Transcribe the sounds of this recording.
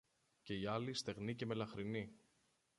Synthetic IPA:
ce̞iɐlist̪e̞ɣnice̞me̞lɐxɾini

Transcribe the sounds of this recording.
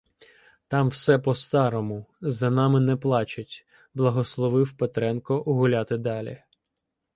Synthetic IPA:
t̪ɑmwsɛpɔst̪ɑɾɔmʊzɐnɑmɪnɛplˠɑt͡ʃɐtʲ | blˠɐɦɔslˠɔʋɪwpet̪ɾɛnkɔʔʊɦʊlʲɑt̪ɪd̪ɑlʲḭ

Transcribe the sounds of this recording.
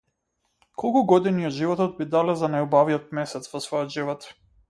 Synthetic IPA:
kʰɔlˠkuɡɔd̪iniɔd̪ʒivɔt̪ɔt̪bid̪alɛzanajubaviɔt̪̚mɛsɛt̪svɔsvɔjɔd̪ʒivɔt̪

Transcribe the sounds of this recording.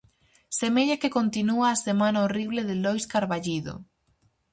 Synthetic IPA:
semeʎakekont̪inuaːsemanaoriβleðɪlojskaɾβaʎiðo̰

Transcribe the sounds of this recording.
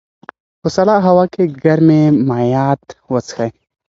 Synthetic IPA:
xʊsɐlaɦɐwakeɡɐɾmemajaːt̪wɐt͡sxɐj

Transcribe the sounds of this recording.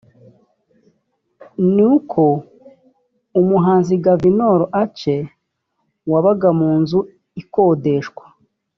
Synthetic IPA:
nikʰo | umuɦaːnziɡavinoɾoʔat͡ʃe̞ | waβaɡamuːnzu | ikoːde̞ʃkwḁ

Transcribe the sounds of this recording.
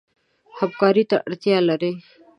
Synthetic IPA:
həb̚kaːɾit̪ə̰ɽt̪ijaləɾeː

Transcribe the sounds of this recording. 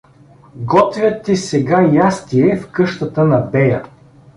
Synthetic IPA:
ɡɔt̪vʲjɐt̪ːisɛɡajast̪iɛfkɤʃt̪ət̪ənɐbɛjɐ̰

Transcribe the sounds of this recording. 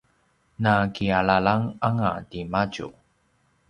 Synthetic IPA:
nakialalaŋaŋa̰dimaɟṵ

